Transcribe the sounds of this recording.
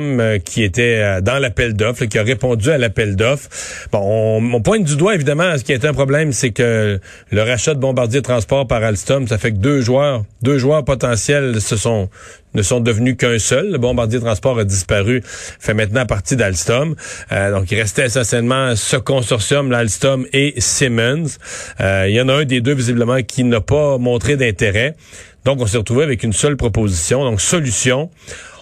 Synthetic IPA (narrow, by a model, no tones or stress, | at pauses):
mkʲʰiet̪ɛd̪ɑ̃lapɛld̪ɔflak̬ʲiaʁepɔ̃dd͡zyalapɛld̪ɔfbɔ̃ɔ̃ɔ̃pwɛ̃ɲd̪yd̪waevid̪amɑ̃sə̥kʲiaet̪ɛɛ̃pχɔblɛmsekə | ləʁaʃad̪əbɔ̃baʁd̪zjiet̪χɑ̃spɔːʁpaʁalst̪ɔmsafɛkəd̪øːʒwœːʁd̪øːʒwœːʁpɔt̪ɑ̃sjɛlsəsɔ̃ | nəsɔ̃d̪əvnykɛ̃sœlːəbɔ̃baʁd̪jet̪ʁɑ̃spɑːʁad̪ispaʁyfɛmɛ̃t̪nɑ̃paʁt̪id̪alst̪ɔmd̪ɔ̃kiʁɛst̪ɛesɑ̃sjɛlmɑ̃səkɔ̃sɔʁsjɔmlalst̪ɔmesemɛnz | iljɑ̃naœ̃d̪ed̪øvizibləmɑ̃kʲʰinapamɔ̃t̪χed̪ɛ̃t̪eʁɛd̪ɔ̃kɔ̃s̬eʁət̪ʁuveavɛkynsœlpχɔpozisjɔ̃d̪ɔ̃ksɔlysjɔ̃